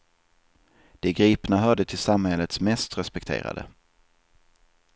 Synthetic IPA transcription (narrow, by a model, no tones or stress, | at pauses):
d̪̥ɛɡɾiːpnaɦœːɖət̪ʰɪlsamhɛlːət̪smɛst̪ɾɛspɛk̚t̪ʰḛːɾa̰d̪ə̰